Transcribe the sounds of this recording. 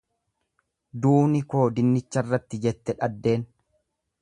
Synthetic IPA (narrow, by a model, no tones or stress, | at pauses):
d̪uːnɪko̞ːd̪ɪnːɪt͡ʃːɐrːɐt̪ːɪd͡ʒɛt̪ːɛᶑɐd̪ːe̞ːn